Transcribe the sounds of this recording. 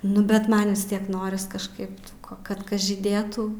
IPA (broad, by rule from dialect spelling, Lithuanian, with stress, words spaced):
nʊ bʲɛt ˈmɐn ʋʲɪs ˈtʲiɛk ˈnoːrʲɪs kɐʃˈkɐɪp tuː koː kɐt ˈkɐs ʒʲiːˈdʲeːtuː